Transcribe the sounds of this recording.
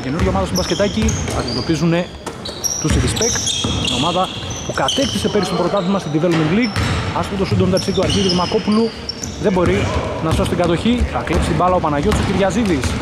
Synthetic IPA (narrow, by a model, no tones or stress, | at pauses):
cenuɾʝɐomɐðɐst̪obɐsce̞t̪ɐciɐ̰d̪ime̞t̪o̞pizune̞ | t̪usiðispekt̪ino̞̰mɐðɐ | pukɐt̪e̞kt̪isepe̞ɾist̪ompɾot̪ɐθezmɐst̪id̪ivelomiŋɡliɡɐspot̪osund̪omt̪ɐɾsit̪uɐɾçiðiðimɐko̞pulu | ðe̞bo̞ɾinɐso̞st̪iɡɐt̪o̞çiθɐklepsi̥t̪ibɐlɐopɐnɐʝosu̥ciɾʝɐziðis